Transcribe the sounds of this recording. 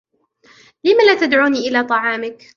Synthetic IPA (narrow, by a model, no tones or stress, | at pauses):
lɪmalaːt̪ad̪ʕuːniːʔɪlaːt̪ˤɑʕɑːmɪk